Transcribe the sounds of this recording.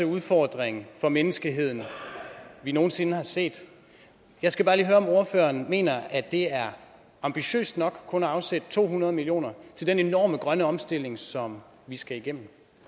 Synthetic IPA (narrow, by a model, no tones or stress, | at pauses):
euð̞ˠfɒ̰d̥ʁeŋn̩fɒ̽menəsɡ̥əɦe̝ð̞̰ˠn̩ | ʋino̝ːn̩se̝nəɦɑ̈se̝̰ːd̥ | jɑ̈ɪsɡ̥æbɑ̈ːliːɦøːɐɒ̽mo̝ɐfø̰ːɐnme̝̰ːnɐæd̥e̝æɐ | ɑ̈mb̥iɕø̰ːsd̥nɒ̽ɡ̥kʰɔ̽nɐɑ̈ʊsed̥ət͡sʰo̝̰ːhunɐð̞ˠmilio̝̰ːnɐt͡sʰe̝ld̥enenɒ̰ːməɡ̥ʁɶnəɒ̽msd̥e̝l̰e̝ŋsɒ̽m | ʋisɡ̥æiɡ̥em̰m̩